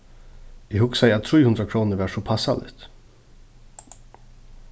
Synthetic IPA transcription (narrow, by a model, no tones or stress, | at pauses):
ɪhɵksɛjɾat̪ʰɾiːhɵnd̪ɾakʰɾuːnəɾvæʂɔpʰasːa̰lɪ̰t̪